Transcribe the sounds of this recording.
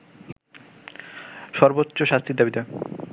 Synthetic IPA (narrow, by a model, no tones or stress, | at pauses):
ʃɔɾbotːɕoʃast̪ʰid̪abid̪a